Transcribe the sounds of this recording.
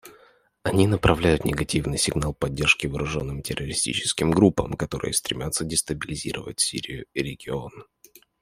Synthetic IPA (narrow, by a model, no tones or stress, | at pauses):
ɐnʲinəpɾɐvlʲæjʊt̪nʲɪɡɐtʲivnɨjsʲɪɡnalˠpɐdʲːe̞rʂkʲɪvəɾʔʊʐo̞nːɨmtʲɪrːəɾʲɪsʲtʲḭt͡ɕɪ̥skʲɪmɡɾupːə̰mkɐt̪o̞ɾɨ̰jəst̪ɾʲɪmʲat̪sədʲɪst̪əbʲɪlʲɪzʲḭɾə̰və̰tʲsʲḭɾʲɪjʊɪɾʲɪɡʲɪo̞n